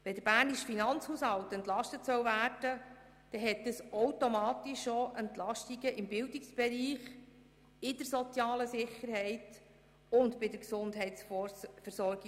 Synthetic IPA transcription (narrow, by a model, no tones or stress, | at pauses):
ʋɛd̥əɾb̥æːrniʃfinɑnt͡shushɑwtɛnt̪lɑʃtətsœwvæːrd̥ə | d̥ɛɦɛt̚dəsɔwtomɑːtiʃːoʔɛnt̪lɑʃtiɡəʔɪmbɪlwdɪksb̥ɛɾiːχ | ɪdəɾsɔt͡sjɑːləsɪχːəɾhɛɪt | ʊndbɪdəksʊndɦɛɪtsfəɾsɔɾɡi